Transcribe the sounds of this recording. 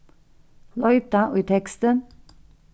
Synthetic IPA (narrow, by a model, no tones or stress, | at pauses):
lœʏt̪ɑʔʉːt̪ʰɛkst̪ən